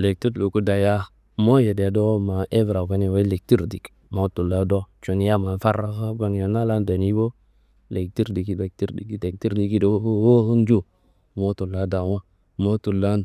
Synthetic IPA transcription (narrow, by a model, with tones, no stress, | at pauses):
le˨k̚ti˦ɾlu˨ku˦da˨ja˦ | mo˦je˨de˨do˦ma˨ʔe˦vɾa˨ka˦ne˨wa˦le˨k̚ti˦ɾdi˨k | mo˦tu˨lːa˦do˦t͡ʃo˨n˦ja˦ma˨n˦fa˦ɾa˦kə˦ba˨ŋ˨ja˨na˦la˦nda˨ni˦bo˦ | le˨k̚ti˦ɾdi˨ki˦de˨k̚ti˦ɾdi˨ki˦de˨k̚ti˦ɾdi˨ki˦do˦wo˦hə˦nd͡ʒu˦ | mo˦tu˨lːa˦da˨wa˦ | mo˦tu˨lːa˦n